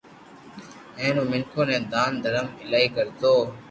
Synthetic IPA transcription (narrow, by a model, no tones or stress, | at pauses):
ẽːnõːmɪŋkʰoːnẽːd̪aːnd̪ʱəɾəmɪlaːiːkəɾt̪oː